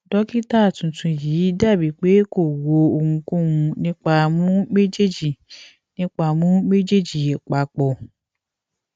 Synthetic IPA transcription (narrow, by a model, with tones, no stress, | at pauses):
dɔ˦ki˦ta˦˨tũ˨tũ˧ji˨˦da˦˨bi˨˦k͡pe˦ko˦˨wo˨o˧ŋũ˧kũ˦˨wũ˧nĩ˦k͡pa˧mũ˦me˦d͡ʒe˦d͡ʒi˨ | nĩ˦k͡pa˧˨mũ˦me˦d͡ʒe˦d͡ʒi˨e˨k͡pa˨˦k͡pɔ˨